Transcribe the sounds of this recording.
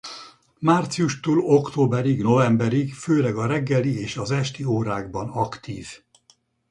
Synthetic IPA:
maːrt̪sijuʃt̪uːlo̞kt̪oːbɛɾiɡno̞vɛmbɛɾiɡføːlɛɡɒɾɛɡːɛlieːʃɒzɛʃt̪ioːɾaːɡ̚bɒnɒkt̪iːv

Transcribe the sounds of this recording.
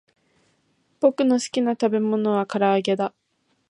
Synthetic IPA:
b̥o̞kɯ̟no̞sɨ̥kʲinat̪abe̞mo̞no̞β̞akaɾaːɡe̞d̪a

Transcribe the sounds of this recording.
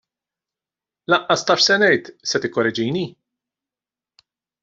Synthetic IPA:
lɐʔɐst̪ɐʃsɛnɛjt̪sɛt̪ɪkːɔɾɛd͡ʒijni

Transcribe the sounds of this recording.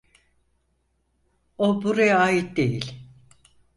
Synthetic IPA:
obuɾajaaːit̪̚d̪ejilʲ

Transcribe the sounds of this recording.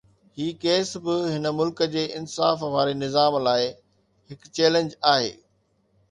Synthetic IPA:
hiːkeːsbɪɦɪnəmʊlkəd͡ʑeːʔɪnsaːfʋaːɾenɪzaːmlaːɪ | ɦɪkt͡ɕɛːlə̃ɲd͡ʑaːɦḛː

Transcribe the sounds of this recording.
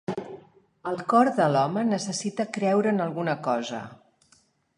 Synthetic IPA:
əlˠkɔɾðəlɔmənəsəsit̪əkɾɛwɾəːnəlˠɣunəkɔzə̰

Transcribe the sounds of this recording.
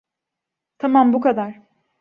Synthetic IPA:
t̪ʰamambukad̪aɾ̥

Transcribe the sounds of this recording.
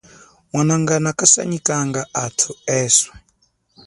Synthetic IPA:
wanaŋɡanakasa̰ɲikaŋɡaʔatʰuɛːswɛ

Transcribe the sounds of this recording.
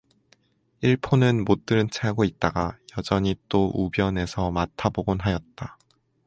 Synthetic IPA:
iɭpʰonɯnmot͈ɯɾɯnt͡ɕʰaɡoit̚t͈aɡajʌd͡ʑʌɲit͈oʔubjʌne̞sʰʌmatʰaboɡonɦajʌt̚t͈a

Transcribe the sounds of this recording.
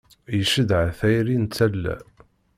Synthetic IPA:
jəʃəd̪ʕθæjɾint͡sːælːæ̰

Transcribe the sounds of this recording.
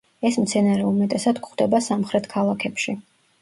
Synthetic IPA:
ɛsmt̪sʰɛnaɾɛumɛt̪ʼɛsad̪kχd̪ɛbasamχɾɛt̪ʰkʰalˠakʰɛpʃi

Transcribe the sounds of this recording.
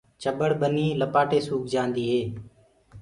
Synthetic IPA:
t͡ʃəɓəɽɓəniːləpaːʈeːsuːk̚d͡ʒãːnd̪iːɦeː

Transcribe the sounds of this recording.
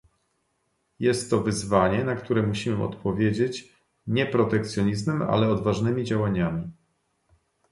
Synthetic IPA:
jɛst̪ːɔvɘzvaɲɛnakt̪uɾɛmuɕimɘɔ̰t̪pɔvʲjed͡ʑet͡ɕ | ɲɛpɾɔt̪ɛkt̪sʲjɔɲizmɛma̰lɛɔd̪vaʐnɘmʲid͡ʑawaɲamʲi

